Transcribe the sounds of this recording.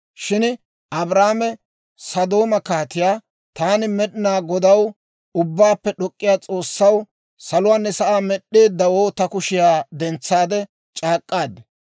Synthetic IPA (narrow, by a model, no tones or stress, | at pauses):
ʃɪn | ʔɐbɾaːmɛ | sɐd̪o̞ːmɐkaːt̪ɪjaː | t̪aːnɪmɛɗɪnaːɡɔd̪ɐw | ʊbːaːpːɛɗɔkʼːɪjaːt͡sʼo̞ːsːɐw | sɐlʊwaːnːɛsɐʔaːmɛɗːe̞ːd̪ːɐwoːt̪ɐkʊʃɪjaːd̪ɛnt͡sːaːd̪ɛ | t͡ʃʼaːkʼːaːd̪ɐ